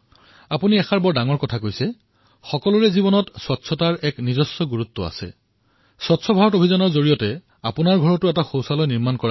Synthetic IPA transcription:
apuniɛxaɹbɔɹdaŋɔɹkɔtʰakojsɛ | xɔkɔlʊɹɛzibɔnɔtswɔtsʰɔtaɹɛknizɔsːɔɡuɹutːɔa̰sɛ̰ | sɔtsʰɔbʱaɹɔtobʱizɔnɔɹzoɹijɔtɛ | apʊnaɹɡʱɔɹɔtʊɛtaxowsalɔjniɹmankɔɹa

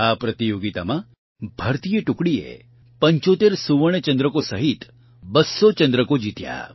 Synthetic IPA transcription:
apɾət̪ijoɡit̪a̰mã | bʱəɾt̪ijəʈʊkɽiḛ | pəɲt͡ʃot̪eɾsuʋəɽ̃et͡ʃə̃nd̪ɾəkosəɦit̪ | bəsːot͡ʃə̃nd̪ɾəkod͡ʒit̪ja̰

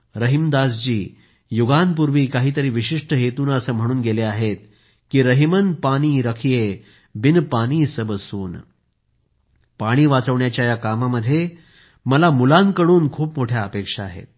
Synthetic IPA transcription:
ɾəɦimd̪asd͡ʑiː | juɡanpuɾʋiːkaɦiːt̪əɾiːʋiɕiʂʈəɦet̪uːnəsəːm̤əɽ̃uːnɡeleaɦet̪̚ | kiːɾəɦimən̚paɽ̃iːɾəkʰije | binpaɽ̃iːsəbəsuːn | paɽ̃iːʋat͡səʋɳjat͡ɕjajakamaməd̪ʱːje | məlamulãnkəɽuːnkʰuːpmoʈʰjaəpekʂaːɦḛt̪̚

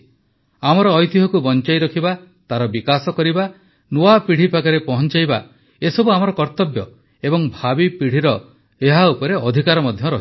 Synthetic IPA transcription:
amɔɾɔːjt̪iɦɔkubɔnt͡ʃajɾɔkʰiba | t̪aɾɔbikasɔkɔɾiba | noapiɽ̤ipʰaɡɔɾepɔɦɔnt͡ʃajba | esɔbuamɔɾɔkɔɾt̪ɔbjɔ | ebɔŋbʱabipiɽ̤iɾɔ | eɦaupɔɾeɔd̪ʱikaɾɔmɔd̪ʱjɔɾɔɦi

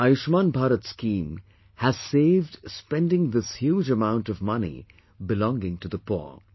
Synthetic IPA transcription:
ajuʃmãːnbʱaːɾətskĩm | hɨz̥seɪvd̥spɛ̃ndɪ̃ŋðɪshjuːd͡ʒəmãʊ̃ntʌvmʌnḭ | bɨlɔ̃ŋɡɪ̃ŋtɨðəpɔ̰ɹ

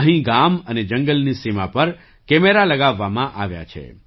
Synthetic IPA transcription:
ɦĩɡaməned͡ʒəŋɡəlnisimapəɾ | kɛmeɾaləɡaʋːamãʔaʋja̰t͡ʃʰḛ

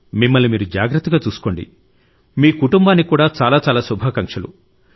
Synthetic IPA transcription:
mimːɐlːimiːɾud͡ʒaːɡɾɐt̪ːɐɡaːt͡ʃuːsu̥ko̞ːɳɖḭ | miːkuʈumbaːnːikuːɽaːt͡ʃaːlaːt͡ʃaːlaːsubʱaːkɐŋkʂɐlṵ

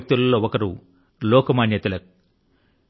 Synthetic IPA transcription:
k̚t̪ulɐlːoːɔkɐɾu | lɔːkɐmaːnjɐt̪ulɐk̚

